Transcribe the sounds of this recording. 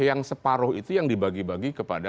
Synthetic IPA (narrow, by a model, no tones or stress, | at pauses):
jaŋsəpaɾʊhit̪ujaŋdibaɡibaɡikəpada